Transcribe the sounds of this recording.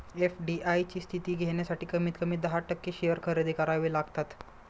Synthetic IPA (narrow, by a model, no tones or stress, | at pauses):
efɖiʔajt͡ɕiːst̪ʰit̪iːɡʱeɳjasaʈiːkəmiːt̪kəmiːd̪əɦaʈəkːeɕeʋəɾkʰəɾed̪ʱikəɾaʋiːlaɡt̪at̪